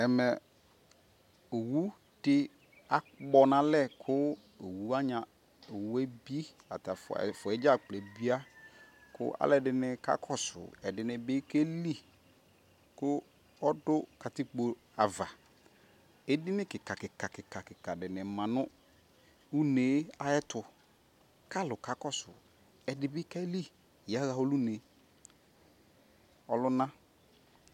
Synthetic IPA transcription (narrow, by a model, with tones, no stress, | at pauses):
ɛ˨mɛ˨ | o˨wu˦ | d̥ɪ˦ | a˨k͡pɔ˦nã˦lɛ˦˨kʰʊ˦ | o˨wu˦a˦ɲã˨ | o˨wu˦ɛ˦bi˦ | a̰˨ta˨ffʊ˨ɛ˦d͡ʒa˦˨k͡plɛ˨bi˦a˦ | kʰʊ̰˦ʔa̰˦lɛ˦˨dɪ˨nɪ̃˨ka̰˦kʰɔ˦sʊ̰˨ɛ˨dɪ˨˦nɪ̃˨be˦ke˦li˦ | kʊ˦ | ɔ˦dʊ˦ka˨tɪ˦k͡po˨ | a˨va˨ | e˦dɪ˦nɪ˦kɪ˨ka˨kɪ˨ka˨kɪ˨ka˨kɪ˨ka˨dɪ˨nɪ˨mã˨nʊ˦ | u˦neː˨˦a˨ɛ˦tʊ˨ | ka˦˨lʊ˨ka˨kɔ˦sʊ̰˨ | ɛ˨dɪ˨bɪ˦kɛ˦li˦˨ | ja˦ɣa˨o˦lu˦ne˨˦ | ɔ˨lʊ˦nã˦